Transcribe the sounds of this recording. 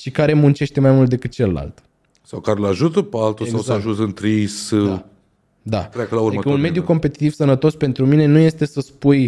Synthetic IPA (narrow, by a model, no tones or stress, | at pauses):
ʃikaɾe̞munt͡ʃe̞ʃt̪e̞majmult̪d̪e̞kɨt̪̚t͡ʃeləla̰lt̪ | sawkaɾelaʒut̪əpalt̪uesawsaʒut̪ɨnt̪ɾisa | d̪a̰t̪ɾakəlauɾd̪məikəuunme̞d̪juko̞mpe̞t̪i̥t̪ivsənət̪o̞spe̞nt̪ɾumine̞nuje̞st̪e̞səspuj